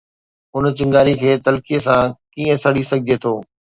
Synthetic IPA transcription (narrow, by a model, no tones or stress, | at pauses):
ʊnt͡ɕɪ̃ŋɡaːɾikʰeːt̪ɐlkijəsãkiːə̃sɐɽisɐɡʱɪd͡ʑet̪ʰoː